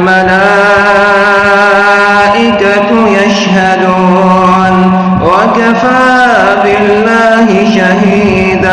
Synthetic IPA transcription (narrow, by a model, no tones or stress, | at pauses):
malaː | ʔɪkat | jaʃɦad̪uː | n | wakafaː | bɪlːaːɦɪʃaɦiː | d̪a